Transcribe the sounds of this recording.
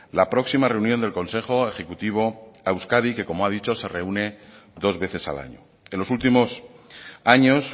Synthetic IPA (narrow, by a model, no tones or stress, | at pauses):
lapɾo̞ksimare̞unjond̪e̞lko̞nse̞xo̞e̞xe̞kut̪iβ̞o̞awskaðike̞ko̞moaðit͡ʃo̞se̞re̞une̞ | ðo̞zβe̞θe̞sa̰la̰ɲo̰ | enlo̞sult̪imo̞s | aɲo̞s